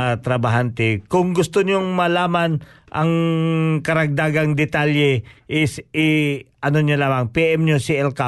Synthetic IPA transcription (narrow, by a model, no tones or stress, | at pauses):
t̪ɾɐbaɦant̪ɛkʊŋɡʊst̪oɲoŋmɐlaːmanʔɐ̰ŋkɐɾɐɡ̚d̪aːɡɐŋd̪ɛt̪aljɛʔɪsɪʔɐnoɲolaːmɐŋpiʔɛmɲosiʔɛlka